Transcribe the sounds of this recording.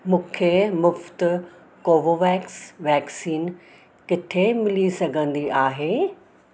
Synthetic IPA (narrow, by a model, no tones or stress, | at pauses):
mũːkʰemʊft̪ | koːʋoːʋɛːksʋɛːksiːn | kɪt̪ʰemɪlisɐɡʱə̃nd̪iʔaːɦeː